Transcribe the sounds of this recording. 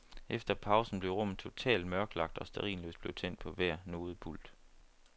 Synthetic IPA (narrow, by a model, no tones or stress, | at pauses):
efd̥ɐpʰɑ̈ʊsn̩b̥le̝ʊʁɔ̽m̰̩t͡sʰo̝t͡sʰɛ̰ːld̥̚mɶɐɡ̥lɑ̈ɡ̥̚d̥ɒ̽sd̥æʁḭːnlø̰ːsd̥b̥le̝ʊt͡sʰen̰d̥pʰɒ̽ʋæɐ̰no̝ːð̞̩ˠb̥uld̥